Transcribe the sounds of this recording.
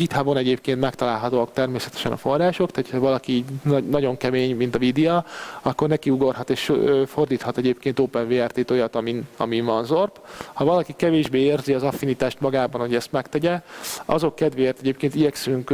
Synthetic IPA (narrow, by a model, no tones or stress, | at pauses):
it̪habo̞nɛɟeːpkeːnt̪mɛkt̪ɒlaːlɦɒt̪oːɒk̚t̪ɛrmeːsɛt̪ɛ̥ʃɛnɒ̰fo̞rːaːʃo̞kt̪aːt̪ʰhʰɒvɒlɒkiiːɟnnɒɟo̞ŋkɛmeːɲmint̪ɒvid̪ioɒkːo̞rnɛkiuɡo̞rɦɒt̪eːʃfo̞rd̪iːt̪hɒt̪ɛɟeːp̚keːnt̪oːpɛnveːart̪eːt̪ojɒt̪ɒminɒ̰mivɒnzorphɒvɒlɒkikɛveːʒbeːeːrziɒzɒfːinit̪aːʃt̪mɒɡaːbɒnhoɟɛst̪mɛkt̪ɛɟɛɒ̰zo̞kːɛd̪ʋeːjɛt̪ɛɟeːp̚keːnt̪iɟɛksyŋk